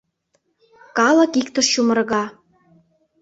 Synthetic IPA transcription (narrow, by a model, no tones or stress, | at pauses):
kɑlɤ̆kikt̪ə̆ʃʃumə̆rɣɑ